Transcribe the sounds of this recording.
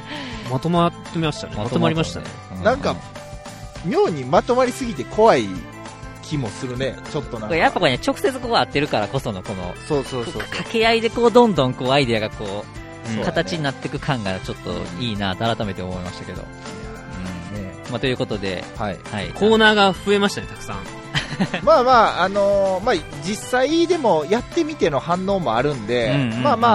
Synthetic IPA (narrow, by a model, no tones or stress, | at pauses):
mat̪omat̪ːemʲmaɕi̥t̪a̰nemaat̪omaɾʲimaɕi̥t̪a̰ḛɯ̃nãŋka | mʲjoːɲ̟imat̪o̞maɾʲisɨɡʲit̪e̞kʰo̞βai | kʲimo̞sɨɾɯ̟ne̞t͡ɕot̪ːonãkojappːako̞enet͡ɕo̞kɯ̟se̞t͡sɨkoːat̪ːe̞ɾɯ̟kaɾako̞so̞no̞ko̞no̞̰soːsoːokʰake̞aid̪e̞ko̞ːd̪õ̞nd̪õ̞ŋko̞ːaid̪e̞aɡako̞ː | okʰat̪at͡ɕt͡ɕiɲ̟inat̪ːe̞kɯ̟kʰãŋɡat͡ɕo̞t̪ːo̞̰iːnaːt̪oaɾat̪ame̞t̪e̞omo̞imaɕi̥t̪ḁke̞̰d̪o̰ | ɯ̟̃ɴne | mat̪o̞jɯ̟ko̞t̪o̞d̪e̞̰haihaḭkʰo̞ːnaːɡaɸɯe̞maɕi̥t̪anet̪akɯ̟̥sã̰ | maːmaːno̞ma | d͡ʑisːaid̪e̞mo̞jat̪ːe̞mʲit̪e̞no̞hãnːo̞ːmo̞aɾɯ̟̃nd̪e̞ɯ̟ɴɯ̃maːma